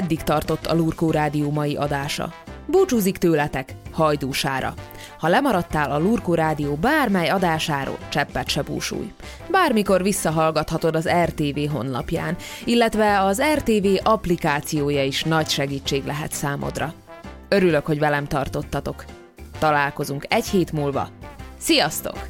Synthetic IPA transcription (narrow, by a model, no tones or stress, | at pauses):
ɛd̪ːikt̪ɒrt̪o̞t̪ːɒ̰luːrkoːɾaːd̪ijoːmɒjiʔɒd̪aːʃɒ̰buːt͡ʃuːzikt̪øːlɛt̪ɛkhɒjd̪uːʃaːɾɒ̰ | hɒlɛmɒɾɒt̪ːaːlɒluːrkoːɾaːd̪ijoːbaːrmɛjɒd̪aːʃaːɾo̰ːlt͡ʃɛpːɛt̪ʃɛbṵːʃṵːj | baːrmiko̞rvisːɒɦɒlɡɒt̪hɒt̪o̞d̪ɒzɛrt̪eːveːɦo̞̰nlɒ̰pja̰ːnilːɛt̪ʋɛɒzɛrt̪eːveːʔɒplikaːt̪sijoːjɒiʃnɒcʃɛɡiːt͡ʃːeːɡlɛɦɛ̰t̪saːmʔo̞̰d̪rɒ | øɾylø̞kho̞ɟvɛlɛmt̪ɒrt̪o̞t̪ːɒt̪o̞k | t̪ɒlaːlko̞zuŋkɛcheːt̪muːlvɒ̰sijɒst̪o̞̰k